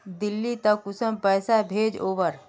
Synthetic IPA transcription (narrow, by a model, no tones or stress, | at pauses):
d̪ɪlːit̪əkʊsəmpɛːsabʱeːd͡ʒoːʋəɾ